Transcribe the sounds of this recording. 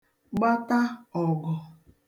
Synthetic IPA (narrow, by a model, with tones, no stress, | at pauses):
ɡ͡ba˦ta˦ɔ˨ɡɔ˨